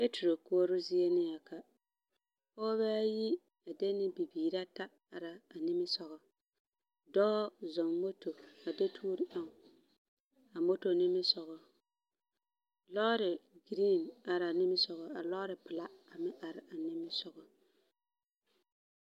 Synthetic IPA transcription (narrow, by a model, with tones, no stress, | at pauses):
e˦tu˨ɾo˨ko˦ɾʊ˦zi˦e˦nɪ˦ja˨ka˨ | ɔː˦βɛː˦ji˦ | a˨de˦nɪ˦bi˨biː˨ɾa˦ta˦ | a˨ɾa˨a˨nɪ˦mɪ˦sɔ˨ɣɔ˨ | dɔ˦ɔ˦zɔ˨ŋmo˦to˨a˨de˦tʰuː˦ɾɪ˦ʔa˦ŋ˨ | a˨mo˦to˨nɪ˦mɪ˦sɔ˨ɣɔ˨ | lɔː˦ɾɪ˨ɡɾi˦˨na˨ɾa˨nɪ˦mɪ˦sɔ˨ɣɔ˨a˨lɔ˦ɾɪ˨pɪ˨la˦a˨mɪ˦ʔa˨ɾɪ˨ʔa˨nɪ˦mɪ˦sɔ˨ɣɔ˨